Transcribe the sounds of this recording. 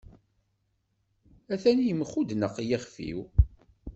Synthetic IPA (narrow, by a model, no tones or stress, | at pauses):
æθænjəmχud̪nəqːjæχfḭw